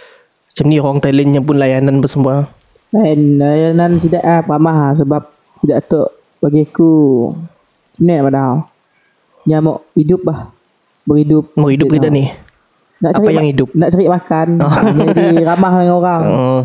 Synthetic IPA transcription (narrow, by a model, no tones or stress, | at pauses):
t͡ʃəmnioaŋt̪alənɲap̬ʊnlajananbərsəmbua | lajanlajanans̬idaʔahpɾamaɦs̬əbap̚ | sidaʔt̪oʔ | baɡiku | t͡ʃəmninaʔmadaaw | ɲamɔʔidʊp̚lah | bəɾidʊp̚mɔidʊɡidaʔnɪh | naʔt͡ʃaɾiajaŋidʊp̚naʔt͡ʃaɾiʔmakanɲaadiɾamaɦdəŋanoɾaŋ